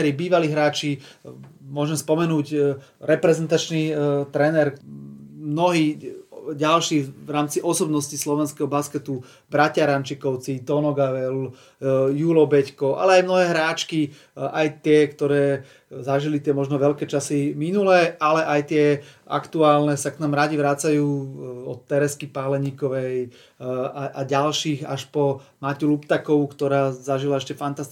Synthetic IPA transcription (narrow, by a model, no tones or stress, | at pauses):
ɾibiːʋaliɦɾaːt͡ʃi | mʊɔʒɛmspɔmɛnuːc | ɾɛpɾɛzɛnt̪at͡ʃnit̪ɾɛnɛɾ | mnɔɦiːɟalʃiːʋɾaːmt͡siʔɔsɔbnɔscislɔʋɛnskɛɦɔbaskɛt̪u | bɾacaɾant͡ʃikɔʊt͡sit̪ɔnɔɡaʋɛl | juːlɔbɛckɔʔa̰lɛajmnɔɦɛːɦɾaːt͡ʃki | ajt̪ɪɛkt̪ɔɾɛː | zaʒilit̪ɪɛmɔʒnɔʋɛʎkɛːt͡ʃasiminulɛalɛʔajt̪ɪɛ | a̰kt̪uaːlnɛsaknamɾaɟiʋɾat͡sajuːɔt̪ːɛɾɛskipalɛɲiːkɔʋɛj | aʔaɟalʃiːxa̰ʃpɔmaculupt̪akɔkt̪ɔɾaːzaʒilaɛʃcɛfant̪ast̪